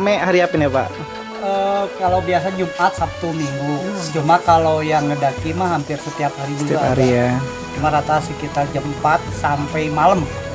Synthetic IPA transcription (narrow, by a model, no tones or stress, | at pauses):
mɛʔhaɾiapinapa̰ʔ | əkalawbiasad͡ʒumʔat̪̚sap̚t̪umiŋɡut͡ʃumakalawjaŋːədakimahɦampɪrsət̪iaphɦaɾid͡ʒuɡaaɾija | t͡ʃumaɾat̪asikit̪ard͡ʒampat̪̚sampəjmaləm